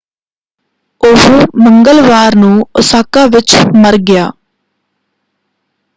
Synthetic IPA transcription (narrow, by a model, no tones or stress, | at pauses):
ʊɦməŋɡəlʋaːɾnũːʊsaːkaːʋɪt͡ʃməɾɡɪja̰ː